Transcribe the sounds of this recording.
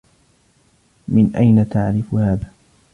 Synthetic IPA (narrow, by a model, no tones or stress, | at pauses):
mɪnʔajnat̪aʕɾɪfʊhaːða